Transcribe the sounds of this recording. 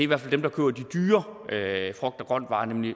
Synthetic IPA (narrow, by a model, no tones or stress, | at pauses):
iʋæɐ̰fæld̥emd̥ɑ̈kʰø̰ːɐd̥id̥yːɐøfʁœɡ̥̚d̥ɑɡ̥ʁɶn̰d̥ʋɑ̈ːnemli